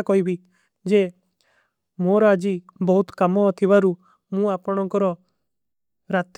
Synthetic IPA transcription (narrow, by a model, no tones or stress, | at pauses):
kɔibʱi | d͡ʒe | moɾɔad͡ʒibɔɦut̪kamɔt̪ʰibaɾu | mũaːpɔɽ̃ɔ̃ŋkɔɾɔ | ɾat̪